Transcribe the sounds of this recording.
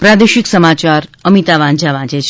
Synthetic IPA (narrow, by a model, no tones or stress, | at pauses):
pɾad̪eʃiksəmat͡ʃaɾəmit̪aʋãnd͡ʒaʋãd͡ʒet͡ʃʰ